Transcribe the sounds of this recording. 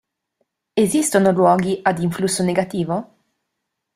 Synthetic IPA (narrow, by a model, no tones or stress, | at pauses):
ezist̪onolwɔːɡiʔad̪iɱflusːoneɡat̪iːvo